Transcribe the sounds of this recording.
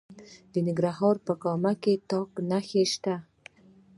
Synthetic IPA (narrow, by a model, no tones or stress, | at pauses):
d̪̥ənɪɡɾahɑɾpəkɑmaket̪ɑknaxeʃt̪a